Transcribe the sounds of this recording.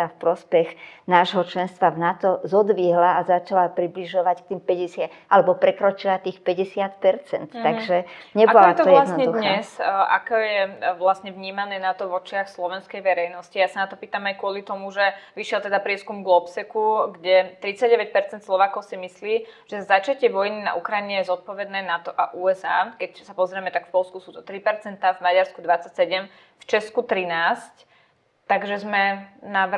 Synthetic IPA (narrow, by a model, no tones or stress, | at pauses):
afpɾɔspɛɣnaːʒɦɔt͡ʃlɛnst̪ʋavnat̪ɔzɔd̪ʋiɦlaazat͡ʃalapɾibliʒɔʋack̚t̪iːmpɛɟɛsɪaʔalɛbɔpɾɛkɾɔt͡ʃilat̪iːxpɛɟɛsɪat̪pɛɾt͡sɛnt̪t̪ːaɡʒɛɲɛbaɔlat̪ɔjɛasnɔɲɛd̪ud̪xɲaɛsʔa̰kɛjɛʋlasɲɛvɲiːmanɛːnat̪ɔʋɔt͡ʃɪaxslɔʋɛnskɛjʋɛɾɛjnɔscijaːsanat̪ɔpiːt̪amajkʊɔlit̪ɔmuʒɛʋiʃɪɛlt̪ɛd̪apɾɪɛskumɡɔpsɛkuɡɟɛt̪ɾit͡saɟ̚ɟɛʋɛc̚pɛɾt͡sɛnt̪slɔʋaːkɔʊsimisliːʒ̥ɛzat͡ʃacɪɛʋɔjnina̰ʔukɾajiɲɛjɛzɔt̪̚pɔʋɛd̪nɛːnat̪ɔʔaʔuːɛzaːkɛcsapɔzɾɛmɛt̪akfpɔlskusuːt̪ɔ̥t̪ɾipɛɾt͡sɛnt̪avmaɟaɾskud̪ʋat͡sːacsɛɟɛm | ft͡ʃɛskut̪ɾinaːsc | t̪ːaɡʒɛzmɛna